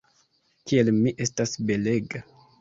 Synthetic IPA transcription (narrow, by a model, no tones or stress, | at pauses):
kielmiʔe̞stasbe̞le̞ɡa